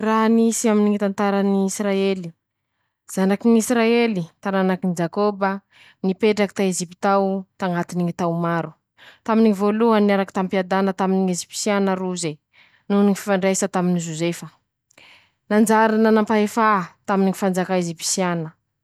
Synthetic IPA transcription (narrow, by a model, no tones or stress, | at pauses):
raɦnisiaminiŋit̪ant̪aɾaniːsraeli̥ | z̥anakinisɾaelit̪ananakinid͡ʒakobə | nipeʈ͡ʂaki̥t̪aezipit̪awt̪aŋɡat̪iniŋit̪awmaɾu | t̪aminiŋivoluənaɾaki̥t̪ampiad̪anət̪aminiŋezipi̥sianəɾuze | nuniŋififaɳɖ͡ʐajsət̪aminizozefə | nand͡ʒaɾanənampaefat̪aminiŋifand͡zakaezipi̥sianə